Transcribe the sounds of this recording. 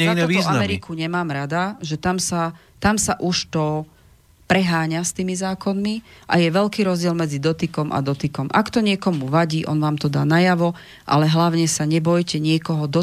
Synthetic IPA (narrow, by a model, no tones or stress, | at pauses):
zanzamɛɾikuɲɛmaːmɾad̪aʒɛt̪amsa | t̪amsaʔuʃt̪ɔ | pɾɛɦaːɲast̪iːmizaːkɔnmiʔa̰jɛʋɛʎkiːɾɔzɟɪɛlmɛd͡zid̪ɔt̪ikɔmʔa̰d̪ɔt̪ikɔmʔa̰kt̪ɔɲɪɛkɔmuʋaɟiːʔɔ̰nʋaːmt̪ɔd̪aːnajaʋɔ | ʔa̰lɛɦlaʊɲɛsaɲɛbɔjcɛɲɪɛkɔɦɔd̪ɔ